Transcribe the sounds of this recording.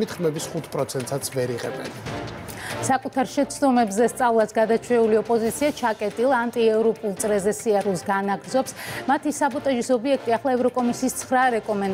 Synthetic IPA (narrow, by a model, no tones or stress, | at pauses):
it̪χmɛbisχut̪ʰpʼɾɔt̪sʰɛnt̪sat̪sʰvɛɾiʁɛ̰bɛ̰n | sakʼut̪ʰaɾʃɛt̪sʰd̪ɔmɛbzɛst̪sʼavlˠasɡad̪at͡ʃʰwɛuliɔpʼɔzit̪sʰiat͡ʃʰakʼɛt̪ʼilˠaant̪ʼiɛvɾɔpʼulˠt̪sʼɾɛzɛsiaɾulˠsɡanaɡɾd̪zɔpsmat̪ʰisabɔt̪ʼaʒisɔbiɛk̚ʰt̪ʼiaχlˠaɛvɾɔkʼɔmisiːst̪sʰχɾaɾɛkʼɔmɛn